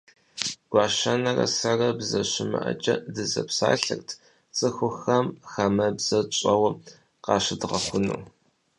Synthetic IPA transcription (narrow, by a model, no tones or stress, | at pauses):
ɡ̥ʷɑːʃɐnɐrɐ̰sɐrɐbzɐɕɪmɨ̰ʔɐt͡ʃʼɐdɨzɐ̰psaːɬɨrtʰ | t͡sʼɨxʷʊxɐmxɐmɐbz̥ɐt͡ʃʼɐwɐ | qɑːɕɪdʁɐxʷʊnuː